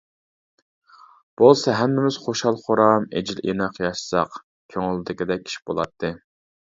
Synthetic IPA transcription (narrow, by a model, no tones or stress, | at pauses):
b̥olˠsɑɦɛmːɪmɪz̥χoʃhɑlˠχoɾɑmḛd͡ʒilʔinɑqjɑʃsɑ̰q | kʲʰøŋɪld̪ɪkʲɪd̪ɛk̚ʲʰːi̥ʃi̥b̥o̰lˠɑ̰t̪ʰːɨ